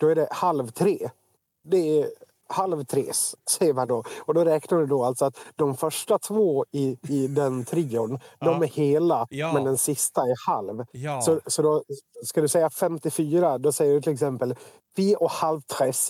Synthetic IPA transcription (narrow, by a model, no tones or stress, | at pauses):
d̪̥ɔæɖɛhalvt̪ʰɾeː | d̪ɛæ | halvt̪ʰɾeːssɛjːəɾmand̪ɔɔd̪ɔɾɛːknaɖɛd̪ɔalt̪sɔat̪d̪ɔmfœʂʈat̪ʰvoːɪːd̪ɛnt̪ʰɾiːʊnd̪ɔmæɾheːlamɛnd̪ɛnsɪst̪aæɾhalvsɔsɔd̪ɔskad̪ɵsɛjːafɛmt̪ɪfyːɾad̪ɔsɛjːəɖɵt̪ʰɪlɛksɛmpəl | fiːʔɔkhalvt̪ʰɾɛs